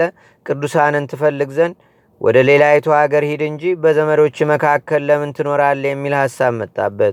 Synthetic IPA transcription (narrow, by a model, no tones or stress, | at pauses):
ə | kʼɨd̪usanɨnt̪ʰɨfəlːɨɡzən | wʔɔ̰d̪əle̞lajɛt̪ʰoaɡəɾhid̪ɨɲd͡ʒibəzəməɾo̞t͡ʃːɪməkʰakːəlːəmɨnt̪ʰɨno̞ɾalːjɛmːilhasːaβmət̪ʼːa̰bːət̪